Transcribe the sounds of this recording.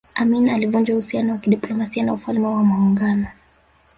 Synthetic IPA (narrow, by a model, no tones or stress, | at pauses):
aminalivund͡ʒauhusianɔwakiɗiplɔmasianaufalmɛwamuuŋɡanɔ